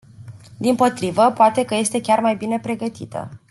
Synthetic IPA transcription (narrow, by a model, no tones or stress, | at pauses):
d̪impo̞t̪ɾivəpoat̪e̞kəje̞st̪e̞kʲarmajbine̞pɾe̞ɡət̪ḭt̪ʰə̰